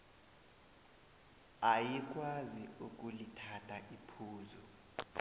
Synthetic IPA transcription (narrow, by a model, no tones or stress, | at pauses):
ajik̬ʼwaziuk̬ʼulitʰatʰʼaʔipʰuːzɔ